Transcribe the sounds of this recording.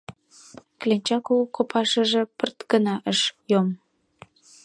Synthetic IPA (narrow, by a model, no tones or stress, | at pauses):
klenʲt͡ɕɑkukopʰɑʃəʒĕpərt̪ɡənɑʔəʃjom